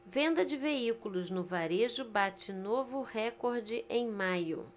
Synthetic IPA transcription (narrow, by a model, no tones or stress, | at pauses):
vẽnd̪ɐd͡ʒɪveikulʊznʊvaɾeʒʊbat͡ʃɪnovʊhɛkoɾd͡ʒɪʔẽj̃majʊ̰